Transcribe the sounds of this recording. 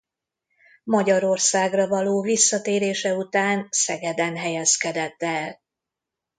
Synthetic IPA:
mɒɟɒɾo̞rsaːɡrɒvɒloːvisːɒt̪eːɾeːʃɛut̪aːnsɛɡɛd̪ɛnɦɛjɛskɛd̪ɛt̪ːɛːl

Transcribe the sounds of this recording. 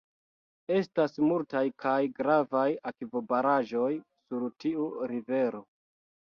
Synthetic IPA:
e̞stasmultajkʰajɡɾavajakvo̞baɾaʒo̞jsuɾtiuɾive̞ɾo̞

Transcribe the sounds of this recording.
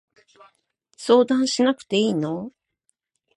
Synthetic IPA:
so̞ːd̪ãɰ̃ɕinakɯ̟̥t̪e̞iːno̞

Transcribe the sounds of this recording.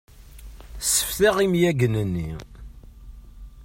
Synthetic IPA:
sːə̥fθæʁimjæɡənənːi

